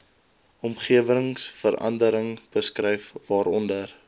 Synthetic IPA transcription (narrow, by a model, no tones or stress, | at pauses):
ɔmχiəvəŋsfəɾɐ̰ndəɾəŋb̥əskrɛjfvɑːɾɔndər